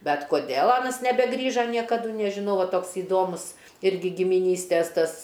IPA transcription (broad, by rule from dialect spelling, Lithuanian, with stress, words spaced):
ˈbʲɛt koːˈdʲeːlˠ ˈɑːnɐs nʲɛbʲɛˈɡrʲiːʒɐ nʲiɛkɐˈdʊ nʲɛʒʲɪˈnɐʊ ˈʋɐ ˈtoːks iːˈdoːmʊs ˈɪrʲɡʲɪ ɡʲɪmʲɪˈnʲiːsʲtʲeːs ˈtɐs